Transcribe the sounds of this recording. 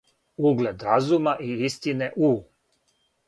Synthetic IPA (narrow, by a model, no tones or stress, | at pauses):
uɡled̪ɾazumaʔiist̪ineʔu